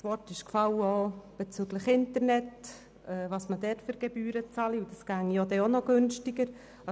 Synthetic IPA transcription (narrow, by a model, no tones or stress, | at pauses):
svɔɾtɪʃkfɑləob̥et͡syɡləχɪntəɾnɛt | ɛːvɑːsmədɛføɾɡ̥ebyːɾət͡sɑliud̥ɑsɡ̥æŋijodɛonɔɡ̥ønʃtɪɡəɾ | ɑ